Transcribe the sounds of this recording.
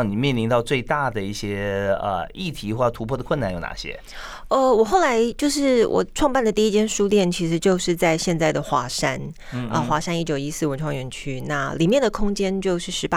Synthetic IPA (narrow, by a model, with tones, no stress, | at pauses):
ŋni˨˩mjɛ˥˩nli˧˥ŋt̪ɑ˥˧ʊt͡swe˥˧ɪt̪a˥˩d̪ə˩i˥˩ɕjɛ˥ə̰˧˩i˥˩t̪ʰi˧˥xwɔ˥˩˧t̪ʰu˧˥pʰɔ˥d̪ə˩kʰwə˥˧na˥njo˨˥ʊna̰˨˩ɕjɛ̰˥ | ə˧wɔ˨˩xo˥˩ʊla˧˥ɪt͡ɕjo˥˧ʊʂɻ̩˥˩wʔɔ̰˨˩ʈ͡ʂʰwɑ˥˧ŋpa˥˩nd̪ə˩t̪i˥˧i˥t͡ɕjɛ˥nʂu˥ljɛ˥˩nt͡ɕʰi˧˥ʂɻ̩˧˥t͡ɕjo˥˧ʊʂɻ̩˥˧t͡sa˥˧ɪɕjɛ˥˧nt͡sa˥˩ɪd̪ə˩xwa˧˥ʂa˥n | ə̰˧˩xwa˧˥ʂa˥ni˥˩t͡ɕjo˨˩ʊi˥sɹ̩˥˩wə˧˥nʈ͡ʂʰwɑ˥ŋɥɛ˧˥nt͡ɕʰy˥na˥˩li˨˩mjɛ˥˩nd̪ə˩kʰʊ˥ŋt͡ɕjɛ˥nt͡ɕjo˥˧ʊʂɻ̩˥˩ʂɻ̩˧˥pa˥